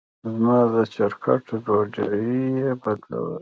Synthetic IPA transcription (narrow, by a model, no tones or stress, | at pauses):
zmɑːd̪ət͡ʃaɾkʰa̰ʈdod͡ʒajijebad̪la̰wə̰l